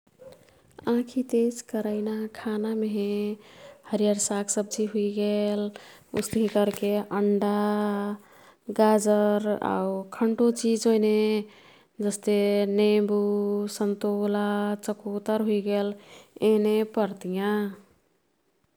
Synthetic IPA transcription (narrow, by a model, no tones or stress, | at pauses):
ãkʰit̪eskəɾəɪnakʰanameɦẽ | həɾijaɾsaksəb̚d͡ʒiɦuiɡelṵst̪əɦĩkəɾkeʔəɳɖa | ɡad͡ʒəɾa̰ukʰəɳʈot͡ʃid͡ʒojne | d͡ʒəst̪enebusənt̪olat͡ʃəkot̪əɾɦuiɡelenepəɾt̪ijã